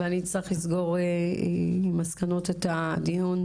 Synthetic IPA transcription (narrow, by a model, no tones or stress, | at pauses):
eanit͡sʁiχlisɡo̞ʁe | maskano̞tetad̪iun